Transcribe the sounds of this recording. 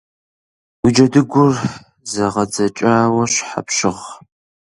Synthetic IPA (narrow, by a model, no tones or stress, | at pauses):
wid͡ʒɐdɨɡʷʊr | zɐʁɐd͡zɐt͡ʃʼaːwɐɕħa̰pʃɪʁ